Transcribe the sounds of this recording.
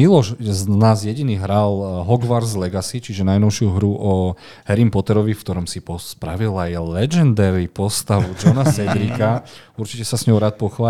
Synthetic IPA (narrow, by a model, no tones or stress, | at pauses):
ilɔʃznaːzjɛɟiniːɦɾalɦɔɡʋaɾzlɛɡasit͡ʃiʒɛnajnɔʊʃɪuɦɾuʔɔ | ɦɛɾimpɔt̪ɛɾɔʋifkt̪ɔɾɔmsipɔspɾaʋilajlɛd͡ʒɛnd̪ɛɾipɔst̪aʋud͡ʒɔnasɛd̪ɾikauɾt͡ʃicɛsasɲɔʊɾaːt̪̚pɔxʋaː